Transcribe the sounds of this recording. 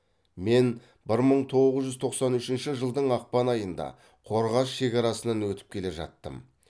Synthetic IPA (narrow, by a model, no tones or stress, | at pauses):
me̞n | bɪɾməɴt̪ʰo̞ʁʁəzʒʏzt̪ʰo̞qsɑnʏʃɪnʃɪʒəlˠd̪əɴɑq̚pɑnɑjənd̪ɑ̰ | qʰo̞ɾʁɑsʃe̞kʲɑɾɑsənɑnwɵt̪ɪ̥p̚kʲʰe̞le̞ʒɑ̰t̪ːə̰m